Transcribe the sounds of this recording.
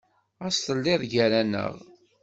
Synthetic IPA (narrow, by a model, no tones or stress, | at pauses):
æst̪əlːɪðˤʝæɾænə̰ʁ